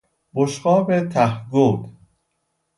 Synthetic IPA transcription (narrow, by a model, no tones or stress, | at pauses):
boʃɢɒːbet̪ʰæhɡoːd̪